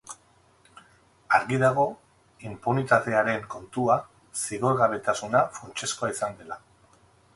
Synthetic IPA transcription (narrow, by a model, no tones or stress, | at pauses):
aɾɣiðaɣ̞o̞ | impo̞nit̪at̪e̞aɾe̞ŋko̞nt̪ua | siɣo̞ɣaβ̞e̞t̪asunafunt͡ʃe̞sko̞aisand̪e̞la